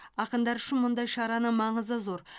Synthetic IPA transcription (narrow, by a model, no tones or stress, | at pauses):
ɑqənd̪ɑɾʏʃɪnmʊnd̪ɑjʃɑɾɑnəmɑɴəzəzo̞ɾ